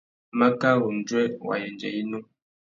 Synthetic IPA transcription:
ma˦ka˦wu˨n̩˨d͡ʒwɛ˦wa̰˨jɛ˨nd͡ʒɛ̰˨i˦nu˦

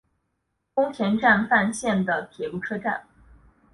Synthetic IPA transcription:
kʊ˥ŋt͡ɕʰjɛ˧˥nʈ͡ʂa˥˧nfa˥˧nɕjɛ˥˩nd̪ə˩p̪ʰjɛ˨˩lu˥˩ʈ͡ʂʰɤ˥ʈ͡ʂa̰˥˩n

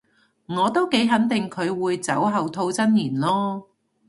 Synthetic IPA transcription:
ŋɔː˨˧t̪o˥wke˨˥jɦɐ˨˥nt̪ɪ˨ŋkʰɵ˨˧ɥwuː˨˧jt͡sɐ˨˥wɦɐ˨˧wt̪ʰo˧wt͡sɐ˥njiː˨˩nlɔː˥

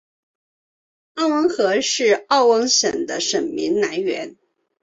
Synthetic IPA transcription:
ɑ˥˩ʊwə˧˥ŋxɤ˧˥ʂɻ̩˥˧ɑ˥˩ʊwə˧˥ŋɕə˨˩nd̪ə˦ʂə˨˩nmi˧˥ŋna˧˥nɥɛ̰˧˥n

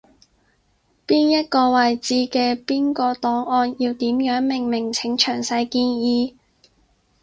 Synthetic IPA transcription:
piː˥njɐ˥t̚kɔː˧wɐ˨jt͡siː˧kɛː˧piː˥nkɔː˧t̪ɔː˨˥ŋɔː˧njiː˧wt̪iː˨˥mjœː˨˥ŋmɪ˨˩ŋmɪ˨˩ŋt͡sʰɪ˨˥ŋt͡ʃʰœː˨˩ŋsɐ˧jkiː˧njiː˧

